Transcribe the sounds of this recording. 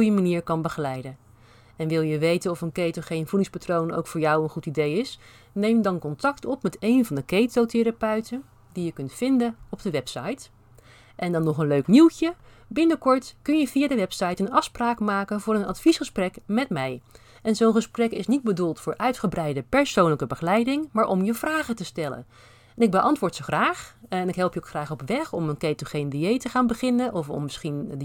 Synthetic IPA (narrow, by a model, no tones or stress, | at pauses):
jəmaniːɹkɑnbəχəlɛjdən | ɛnʋɪlˠjəʋejtənɔfənkejtoχejnv̥udɪŋspatrowno̰wkfʊːɹjɑwənχutidejɪs | nejmdɑnkɔntɑktɔpmɛtejnvɑndəkejtowtɪɾapœɥtən | dijəkɵntfɪndənɔbdəʋɛpsɑjt | ʔɛndɑnːɔχənløɥkniwˠtjə | bɪnəkɔɹtkɵnjəviːadəʋɛpsɑjtənɑfspraːkmaːkənvʊːɾənɑ̰tfisχəsprɛkmɛtmɛj | ɛnzownχəsprɛkɪsnit̚bədulˠtfʊːɹʔœɥtχəbrɛjdəpɛɹsownləkəbəχəlɛjdɪŋmaːɹʔɔmjəvraːχətəstɛlə̰n | ɛnɪɡ̚bəʔɑntʋʊːɹtsoχraːχɛnɪkɦɛlˠpjəokχraːχɔpʋɛχɔmənkejtəχejndiejtəχaːnbəχɪnənʔɔfɔ̰mːəsχind